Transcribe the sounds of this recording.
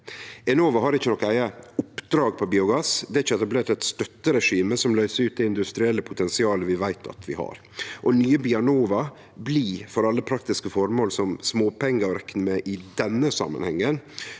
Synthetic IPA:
ɛnoːʋɑɦɑɾɪçːənɔkːæɪɑʊpd̪ɾɑːɡpʰɔbiːʊɡɑsd̪ɛːɾɪçːəɛt̪ɑbleːʈ̪ɛt̪st̪œt̪ːəɾɛʂiːməsɔmlœʏsəɾʉːt̪̚ɛɪnd̪ʉst̪ɾɪɛlːəpʰʊt̪ʰɛnsɪɑːləʋɪʋæɪt̪ʰɑ̰t̪ʰʋɪ̰hɑ̰ɾ | ʔɔnyːəbiɑɳoːʋɑ | bliːfɔɾɑlːəpʰɾɑk̚t̪ɪskəfɔɾmoːlsɔmsmoːpʰɛŋɡəɾɛkːnəmeʔɪd̪ɛnːəsɑ̰mːə̰nhɛŋːən

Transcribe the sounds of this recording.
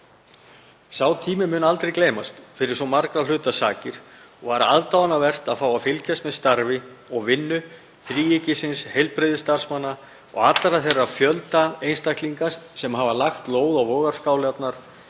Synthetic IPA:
saːwt̪ʰiːmɪmʏːnalt̪ɾejkleːjmast̪fɪɾɪɾ̥sɔmaɾkɾal̥ʏːt̪asa̰ːcɪɾ̥ɔɣvaɾaaðt̪awanavɛr̥t̪aðfaːwafɪlcɛst̪mɛðst̪aɾvɪɔɣvɪnːʏ | θɾiːjɪcɪsɪnshejlpɾɪðɪst̪ar̥smanːa | ɔ̰ɣat̪laɾaθejrːafjœlt̪aejnst̪akt̪liŋkassɛmɦavalaxt̪loːwðawvɔːɣaɾ̥skaːwlɪat̪naɾ̥

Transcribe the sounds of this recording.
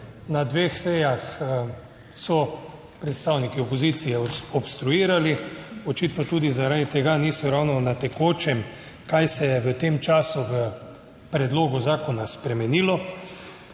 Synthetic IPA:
nad̪ʋexsɛjax | sɔ | pɾɛt̪st̪aːwnikiɔpɔzit̪sijɛɔbst̪ɾuiːɾaliɔt͡ʃit̪nɔt̪uːd̪izaɾaːd̪it̪ɛɡanisɔɾawnɔnat̪ɛkoːt͡ʃɛm | kajsɛjɛʋət̪emt͡ʃaːsuʋə | pɾɛd̪loːɡuzaːkɔnaspɾɛmɛniːlɔ

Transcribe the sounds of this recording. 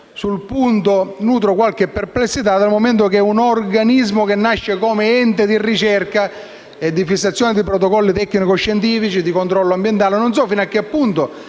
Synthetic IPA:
sulpunt̪onuːt̪̬ɾokwalkepːerplesːit̪ad̪almoment̪okɛunorɡanizmokenːaʃːekɔːmeɛnt̪ed̪irit͡ʃɛrka | ed̪ːifisːat̪sːjɔːnid̪ipɾot̪̬okɔlːit̪ɛkːnikoʃːent̪̬iːfit͡ʃid̪ikont̪ɾɔlːoambjent̪aːlenons̬ɔfinakːepːunt̪o

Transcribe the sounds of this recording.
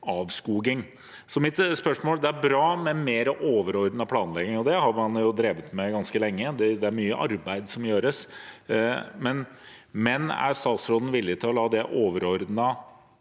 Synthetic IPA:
ɑːʋskuːɡɪŋ | sɔmɪt̪spœʂmoːld̪ɛæɾbɾɑːmɛmeːɾəʔoːʋəɾɔɾd̪nɑpʰlɑːnlɛɡɪŋɔd̪ɛhɑɾmɑnjʊd̪ɾeːʋət̪mɛɡɑnskəlɛŋːəd̪ɛd̪ɛæɾmyːəʔɑ̰ɾbæɪd̪sɔmjøːɾəs | mɛn | mɛnæ̰ɾst̪ɑːt̪sɾoːd̪n̩ʋɪlːɪt̪ʰɪlɔlɑːd̪ɛʔoːʋəɾɔɾd̪nə

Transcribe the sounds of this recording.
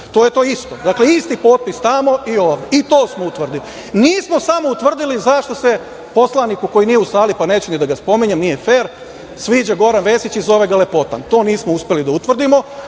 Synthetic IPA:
t̪oje̞t̪o̞ːist̪o̞d̪aːkle̞ist̪ipo̞ːt̪̚pist̪amo̞io̞ːʋd̪eit̪o̞ːsmout̪ʋr̩d̪ili | niːsmo̞samo̞ut̪ʋr̩d̪ilizaʃt̪o̞se̞ | po̞slˠanikuko̞jinijeusaːlipanet͡ɕunid̪aɡaspo̞miɲemnije̞feːɾ | sʋiːd͡ʑaɡo̞ɾanʋe̞ːsit͡ɕizo̞ʋe̞ɡale̞po̞t̪a̰nt̪o̞ːniːsmouspʲelid̪aut̪ʋrd̪imo̞

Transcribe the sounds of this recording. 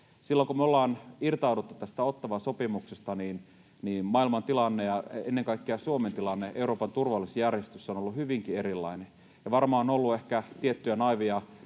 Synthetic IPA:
silːoŋkumolːɑːnirt̪ɑudut̪ːu̥t̪t̪æst̪æot̪ːɑʋɑsopimuksest̪ɑniːn | niːnmɑilmɑnt̪ilɑnːejɑenːeŋkɑikːeɑsuoment̪ilɑnːeʔeuɾoːpɑnt̪urʋɑlːˑisejærjest̪ysːonolːuhyʋiŋkierilːɑ̰ine | jɑʋɑrmɑːonolːuehkæt̪iet̪ːyjænɑiʋiɑ

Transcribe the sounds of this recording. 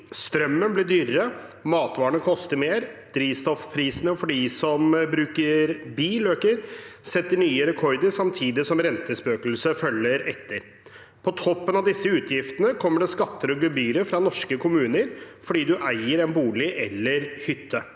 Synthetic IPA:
st̪ɾœmːənblɪɖyːɾəmɑːt̪ʋɑːɳəkʰɔst̪əɾmeːɾd̪̥ɾiːst̪ɔfpʰɾiːsənəfɔɖiːsɔmbɾʉːkəɾbiːløːkəɾsɛt̪ːəɳyːəɾɛkʰɔɾd̪əɾsɑmt̪ʰiːd̪ɪsɔmɾɛnt̪ʰəspøːkl̩səfœlːəɾɛt̪ʰːəɾ | pʰɔt̪ʰɔpːənɑʋd̪ɪsːəʉːt̪ʰjɪft̪ənəkʰɔmːəɖɛskɑt̪ːəɾɔɡʉbyːɾəfɾɑnɔʂkəkʰʊmʉːnəɾfɔɖiːd̪ʉʔæɪəɾɛnbuːlɪʔɛlːəɾhʏt̪ʰːə

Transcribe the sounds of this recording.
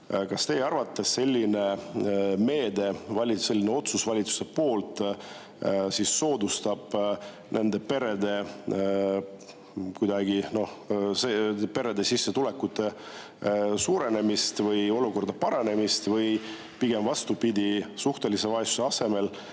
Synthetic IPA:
kɑst̪e̞jɑrvɑt̪ːˑesse̞lʲːine̞ | me̞ːd̪e̞vɑlʲise̞lːineo̞t̪susvɑlʲit̪su̥se̞po̞ːlt̪ˑ | sisːo̞ːd̪ust̪ɑb̥ | nʔe̞nd̪e̞pe̞ɾe̞d̪e̞ | kujd̪ɑɡ̥ino̞hsepe̞ɾe̞d̪e̞sisːet̪ule̞kːˑut̪ːˑe̞ | suːɾe̞ne̞mist̪vɤjo̞luko̞rd̪ɑpɑɾɑne̞mist̪vɤj | piɡ̥e̞mvɑst̪upid̪̥ʲisuht̪e̞lise̞vɑjsuseɑse̞me̞l

